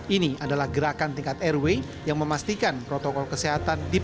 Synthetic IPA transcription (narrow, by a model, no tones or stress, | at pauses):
iniadalahɡəɾakant̪iŋkat̪ɛrwe | jaŋməmast̪ikanpɾot̪okɔlkəseɦat̪andi